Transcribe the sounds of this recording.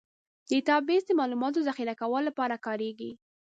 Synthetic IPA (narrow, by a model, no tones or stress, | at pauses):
d̪̥əɪt̪ɑbːesd̪əmɑlumɑt̪̬ozaxiɾakawəllːapɑɾakɑɾeɡi